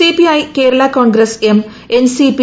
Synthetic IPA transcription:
ipiɐjkeːɾɐɭakoːɳɡɾɐsem | ensipi

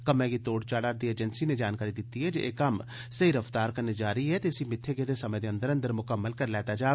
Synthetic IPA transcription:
kəmɛ̃ːɡit̪oːɽt͡ʃaːɽaːɾd̪ieːd͡ʒənsiːned͡ʒaːnkaːɾid̪ɪt̪ːiɦɛːd͡ʒeʔeːkəm | səɦiɾəft̪aːɾkəɾned͡ʒaːɾiːɦɛːt̪eɪsimɪt̪ʰːeːɡed̪esəmə̃d̪eːə̃nd̪əɾə̃nd̪əɾmʊkəmːəlkəɾlɛːt̪aːd͡ʒaː

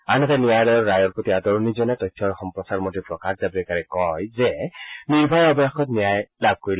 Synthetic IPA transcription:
anɔtanijalɔjɔɹɹajɔɹpɹotiadɔɹnizɔnɛtɔjtʰːɔɹxɔmpɹɔsaɹmotipɹɔkaxzabilɛkaɹɛkɔjzɛniɹbʱɔjɔbɔjaxɔtnijajlab̚ʱkoɹil

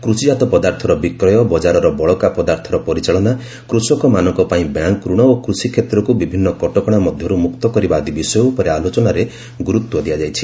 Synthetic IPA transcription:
kɾusid͡ʒat̪ɔpɔd̪aɾt̪ʰɔɾɔbikɾɔjɔbɔd͡ʒaɾɔɾɔbɔɭɔkapɔd̪aɾt̪ʰɔɾɔpɔɾit͡ʃaɭɔna | kɾusɔkɔmanɔŋkɔpaĩbjaŋkːɾuɽ̃ɔokɾusikʰet̪ɾɔkubibʱinːɔkɔʈɔkɔɽ̃amɔd̪ʱjɔɾumukt̪ɔkɔɾibaːd̪ibisɔjɔupɔɾealot͡ʃɔnaɾe | ɡuɾut̪wɔd̪iad͡ʒajt͡ʃʰi̥

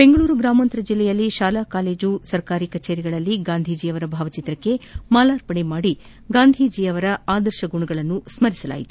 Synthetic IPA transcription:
be̞ŋɡɐɭuːɾuɡɾaːmɐnt̪ɾɐd͡ʒilːɛjɐlːiʃaːlaːkaːle̞ːd͡ʒusɐɾkaːɾikɐt͡ʃeːɾiɡɐɭɐlːiɡaːnd̪ʱid͡ʒiːɐʋɐɾɐbʱaːʋɐt͡ʃit̪ɾɐkːe̞maːlaːɾpɐɳemaːɽi | ɡaːnd̪ʱid͡ʒiːɐʋɐɾɐaːd̪ɐɾʃɐɡuɳɐɡɐɭɐnːusmɐɾisɐla̰ːjit̪u̥

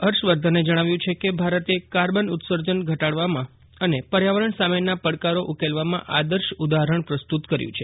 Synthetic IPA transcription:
əɾʃʋəɾd̪ʱəned͡ʒəɽ̃aʋjũt͡ʃʰekebʱaɾət̪ekaɾbənʊt̪səɾd͡ʒənɡʱəʈaɽʋamã | ənepəɾjaʋəɾəɳsamenapəɽkaɾoʔukelʋamã̰ʔad̪əɾʃud̪aɦɾəɳpɾəst̪ut̪kəɾjṵ̃t͡ʃʰe

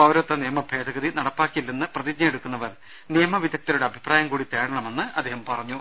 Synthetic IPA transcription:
ɐwɾɐt̪ːɐnijɐmɐbʱe̞ːd̪ɐɣɐðinɐɽɐpːaːkːiilːɐnːɨprɐðid͡ʑɲɐjeɽukːunːɐʋɐr | nijɐmɐʋid̪ʱɐk̚t̪inuɽe̞ɐbʱipraːjɐmkuːɽit̪e̞ːɽɐɳɐme̞nːɨʔɐd̪ːeːhɐmpɐrɐɲːu

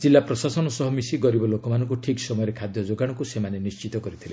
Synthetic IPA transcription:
d͡ʒilːapɾɔsasɔnɔsɔɦɔmisiɡɔɾibɔlokɔmanɔŋkuʈʰiksɔmɔjɔɾekʰad̪jɔd͡ʒoɡaɽ̃ɔkusemanenist͡ʃit̪ɔkɔɾit̪ʰile

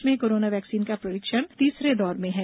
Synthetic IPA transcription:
mẽkoːɾoːnaʋɛːksiːnkapɾɐɾɪkʃəɽt̪iːsɾed̪ɔːɾmẽɦɛː

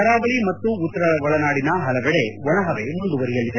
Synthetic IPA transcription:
ɐɾaːbɐɭimɐt̪ːuːt̪ːɐɾɐʋɐɭɐnaːɽinɐɦɐlɐʋɛɽe̞ʋɔɳɐɦɐʋemund̪uʋɐɾijɐɭːid̪e

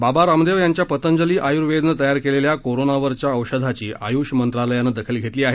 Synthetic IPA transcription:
babaɾamd̪eʋjaɲt͡ɕjapət̪ənd͡zəliːʔajuɾʋed̪nət̪əjaɾkeleljakoɾonaʋəɾt͡ɕjaəʋɕəd̪ʱat͡ɕiːʔa̰juɕmənt̪ɾaləjanːəd̪əkʰilɡʱet̪liːaɦe

